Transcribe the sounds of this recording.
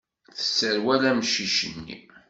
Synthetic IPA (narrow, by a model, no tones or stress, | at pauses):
θə̥sːəɾwælæmʃiʃənːḭ